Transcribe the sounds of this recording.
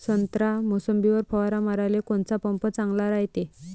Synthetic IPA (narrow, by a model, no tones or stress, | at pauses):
sənt̪ɾamosəmbiʋəɾpʰəʋaɾamaɾajlekont͡sapəmpət͡sãŋɡlaɾajt̪e